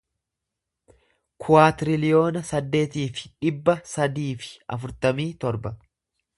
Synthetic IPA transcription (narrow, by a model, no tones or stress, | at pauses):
kʰʊwaːt̪ɾɪlɪjo̞ːnɐsɐd̪ːe̞ːt̪iːfɪ̥ᶑɪbːɐsɐd̪iːfɪ̥ɐ̰fʊɾt̪ɐmiːt̪ɔɾbɐ